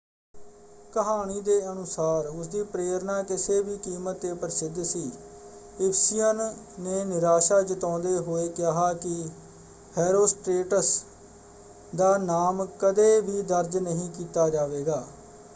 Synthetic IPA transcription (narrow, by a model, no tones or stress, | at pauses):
kəɦaːniːd̪eːənʊsaːɾʊsd̪iːpɾeːɾnaːkɪseːbiːkiːmət̪ːeːpəɾɪsɪd̪siː | ɪpʰsijənː | eːnɪɾaːʃaːd͡ʒət̪õːnd̪eːɦoːeːkjaːɦaːkɪ | hɛːɾoːsʈɾeːʈəs | d̪aːnaːmkəd̪eːbiːd̪əɾd͡ʒnəɦĩːkiːt̪aːd͡ʒaːʋeːɡaː